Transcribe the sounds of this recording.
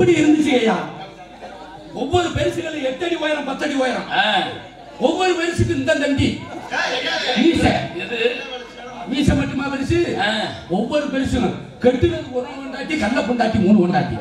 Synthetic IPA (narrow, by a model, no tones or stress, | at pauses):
ɪpːɐɽiɪɾɯnd̪ɯt͡ʃːɯeːjaː | ɔʋːɔɾɯpɛːɾsɯɣɐɭɯɛʈ̪ːɐɽiʋoːjɐɾɐ̃mpɐt̪ːɐɽiʋoːjɐɾɐ̃mː | ɔʋːɔɾɯpɐɾsɯk̬ːɯɪnd̪ɐlɐŋɡi | ʋiːsɐɛðɯ | ʋiːsɐmɐʈːɯmaːʋɐɾɯt͡ʃːɯ | ɔʋːɔɾɯpɛːɾsɯɣɐɭ | kɛɽʈ̪ːɯʋɐnd̪ɯɔɾɐnɯɔɳɖaːʈːikɐnːɐpɔɳɖaːʈːimuːnɯɔɳɖaːʈːḭ